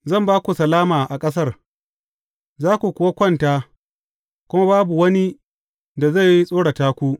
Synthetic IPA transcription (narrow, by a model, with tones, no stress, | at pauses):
zɐ˦˨mbaː˦kʷu˨sɐ˨laː˦maː˨ʔa˨kʼɐ˦s̬ɐ˦r | zaː˦kʷu˨kʷʊː˨wa˦kʷɐ˦ntaː˦ | kʷʊ˦ma˦baː˦bu˨wɐ˦ni˦ | da˨za˦˨jːi˦sʼoː˦ɽa˨taː˦kʷu˦